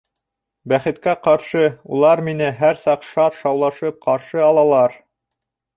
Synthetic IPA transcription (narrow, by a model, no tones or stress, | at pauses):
bæχɘ̆t̪kæqɑɾʃɤulˠɑɾminɘɦæɾsɑqʃɑt̪ʃɑwlˠɑʃɤp̚qɑɾʃɤɑlˠɑlˠɑɾ